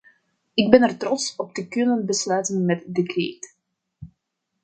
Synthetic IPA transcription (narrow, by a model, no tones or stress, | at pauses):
ɪɡ̚bɛnɛrtrɔtsɔp̚təkʏnənbəslœːtənmɛtdekreːt